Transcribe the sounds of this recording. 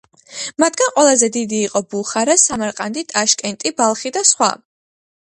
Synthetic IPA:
mat̪ʰɡ̥anqʼwɛlˠazɛd̪id̪iːqʼɔbuχaɾasamaɾqʼand̪it̪ʼaʃkʼɛnt̪ʼibalˠχid̪asχwa̰

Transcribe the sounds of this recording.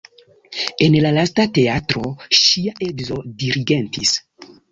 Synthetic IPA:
enlalastateatɾoʃiaʔedzodiɾiɡentis

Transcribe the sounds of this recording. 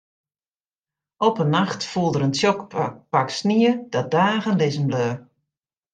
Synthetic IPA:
ɔpənːaxtfulˠdəɾəntjɔkpaksniəd̥ɔdaːɣənlɪzəmbløː

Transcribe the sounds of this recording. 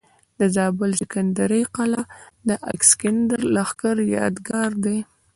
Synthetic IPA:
d̪əzɑbɪlzɪkand̪aɾəjqalad̪əʔa̰kskɪnd̪əɾlaxkəɾjɑ̰d̪ɡɑɾd̪e

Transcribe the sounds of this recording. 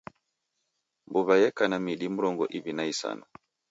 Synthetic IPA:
mbuβajɛkanamiɗimuɾɔŋɡɔʔiβinaisa̰nɔ

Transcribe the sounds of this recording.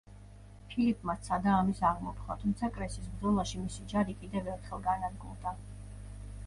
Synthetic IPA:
pʰilipʼmat̪sʰad̪aːmisaʁmɔpʰχa̰t̪ʰumt̪sʰakʼɾɛsisbd̪zɔlaʃimisid͡ʒaɾikʼid̪ɛvɛɾt̪ʰχɛlˠɡanad̪ɡṵld̪a

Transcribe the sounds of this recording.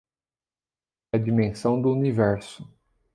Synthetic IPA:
ɛɐd͡ʒimẽsɐ̃w̃d̪ʊunivɛɾsʊ̥

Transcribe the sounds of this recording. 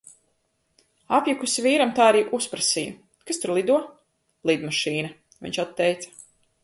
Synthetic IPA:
apjukusiviːɾamt̪aːaɾiːʔuspɾasiju | kast̪uɾlˠid̪uɔ | lˠid̪maʃiːnɐ | vḭɲʲt͡ʃat̪ːɛjt̪sɐ̥

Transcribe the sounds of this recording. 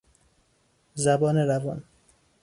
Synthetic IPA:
zæbɒːneɾævɒn

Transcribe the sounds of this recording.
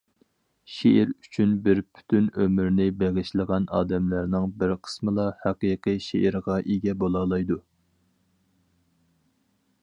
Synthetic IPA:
ʃeɪɾyt͡ʃʰynbɪɾpʰy̥t̪ʰynømyɾnɪbɛʁɪʃlˠəʁɑnɑːd̪ɛmlæɾnɨŋbɪɾqʰə̥smɨlˠɑhæqiːqiʃeʔːɾʁɑʔeɡʲɛbolˠɑːlˠɑjd̪u

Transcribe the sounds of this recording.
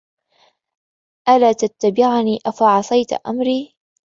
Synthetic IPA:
ʔalaːt̪at̪ːabɪʕniːʔafaʕɑsˤɑjt̪ʔa̰mɾiː

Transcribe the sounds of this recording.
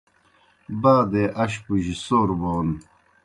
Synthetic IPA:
baːd̪eʔɐɕpuʑisoːɾboːn

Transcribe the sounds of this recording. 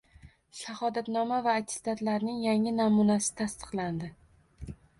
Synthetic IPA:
ʃahɒd̪at̪nɒmavaːt̪ʰɪ̥st̪at̪laɾnɪŋjaŋɪnamunasɪ̥t̪ʰast̪ɨ̥qlˠand̪ɪ

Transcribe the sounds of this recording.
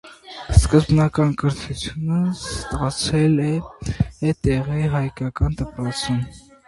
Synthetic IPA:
skəzbnɑkɑnkəɾt̪ʰut͡sʰjunəst̪ɑt͡sʰɛlɛ | ɛt̪ɛʁiɦɑjkɑkɑnt̪əpɾɔt͡sʰum

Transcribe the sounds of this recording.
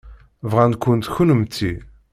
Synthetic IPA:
vʁænkʷːʊnt̪çunəmt̪ːi

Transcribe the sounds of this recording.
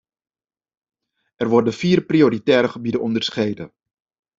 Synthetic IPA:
ʔɛrʋɔrdəfiːrprioɾitɛːɾəχəbidəʔɔndərsχejdə̰

